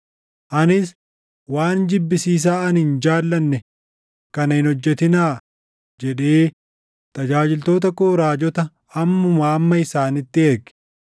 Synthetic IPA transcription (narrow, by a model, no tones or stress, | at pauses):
ʔɐnɪs | waːnd͡ʒɪbːɪsiːs̬aːɐnhɪnd͡ʒaːlːɐnːɛ | kɐnɐhɪnɔd͡ʒːɛt̪ɪnaː | d͡ʒɛᶑeː | t̪ɐd͡ʒaːd͡ʒɪlt̪o̞ːt̪̬ɐkoːɾaːd͡ʒɔt̪ɐ | ɐmːʊmaːmːɐɪsaːnɪt̪ːɪɛɾɡɪ̥